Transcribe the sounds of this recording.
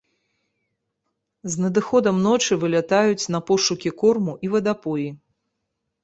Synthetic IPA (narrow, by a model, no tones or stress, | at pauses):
znɐd̪ɨxɔd̪ɐmnɔt͡ʂɨvɨlʲat̪ajut͡sʲnɐpɔʂukʲikɔrmuʔivɐd̪apɔji